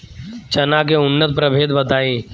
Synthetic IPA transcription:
t͡ʃɐnak̬eʊnːət̪̚pɾəbʱeːd̪bəd̪ʱaːiː

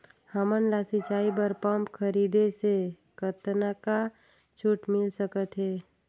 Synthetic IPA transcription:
həmənlaːsit͡ʃaːibəɾpəmpkʰəɾiːd̪ese | kət̪naka | t͡ʃʰʊʈmɪlsəkət̪ɦɛː

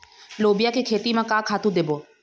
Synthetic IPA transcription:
loːbɪjakekʰeːt̪imãkãkʰaːt̪ũd̪ebo

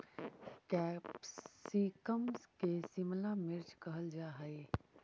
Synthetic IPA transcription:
kɛpsikəmskesimlamɪɾt͡ʃkɐɦəld͡ʒaːɦəe

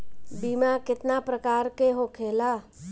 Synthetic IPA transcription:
biːmakɪt̪napɾəkaːɾkeɦokʰeːlaː

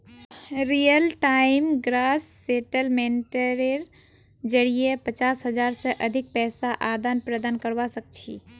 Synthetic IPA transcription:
ɾijəlʈaimɡɾasːeʈəlmenʈəɾeɾ | d͡ʒəɽijepət͡ʃasɦəd͡ʒaɾsə̃ʔəd̪ʱik̚pɛːsaʔad̪anpɾəd̪ankəɾʋasək̚t͡ʃʰḭ

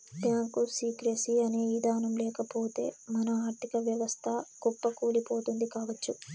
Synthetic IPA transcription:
bjaːŋkusiːkɾesiɐne̞ːid̪aːnɐmlɛːkɐpo̞ːt̪e̞̰ːmɐnɐaːʈ̪ikɐʋjɐʋɐst̪ʰɐɡ̥ɔpːɐkuːlipo̞ːt̪und̪ikaːʋɐt͡ʃːu

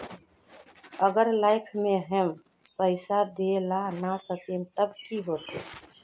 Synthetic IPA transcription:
əɡəɾlaːɪkʰmẽɦɛm | pəɪsad̪elanasəkemt̪əbkiɦoːt̪e

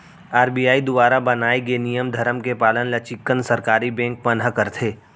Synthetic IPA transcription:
aːɾbiːjaːid̪ʊbaːɾabɐnaːeɡenijəmd̪ʱɐɾəmkepaːlənlɐt͡ʃɪkːənsɐɾkaːɾibɛ̃ːŋk̚pɐnəkəɾt̪ʰeː

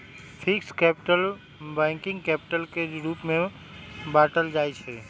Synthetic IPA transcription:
fʰɪkskɛːpɪʈəl | bɛ̃ːŋkɪ̃ŋɡkɛːpɪʈəlkeɾuːpmẽ | baːʈəld͡ʒaːit͡ʃʰɛ

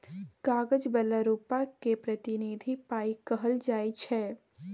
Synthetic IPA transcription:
kaːɡəd͡ʒbɛləɾuːpakepɾɐt̪ɪnid̪ʱipaːikɐɦəld͡ʒaːit͡ʃʰɛː

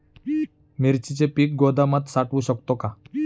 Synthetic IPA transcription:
miɾt͡ɕit͡sepiːk̚ɡod̪amat̪saʈʋuːɕəkt̪oka

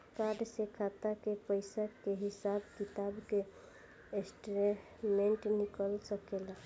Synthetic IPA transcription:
kaɖsekʰat̪akepəɪsakeɦisabkit̪abke | esʈɾe | meɳʈnikəlsəkela

